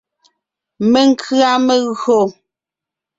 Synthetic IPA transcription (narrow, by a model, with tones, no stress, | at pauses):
me˦ŋ˦kʰɰa˦me˦ɣɰo˦˨